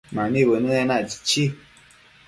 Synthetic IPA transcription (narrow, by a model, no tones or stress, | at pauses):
manibənɨɛnat͡ʃi̥t͡ʃi